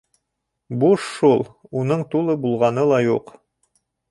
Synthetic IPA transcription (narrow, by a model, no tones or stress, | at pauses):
buʃːulˠunɤɴt̪ulˠɤbulˠʁɑnɤlˠɑjuq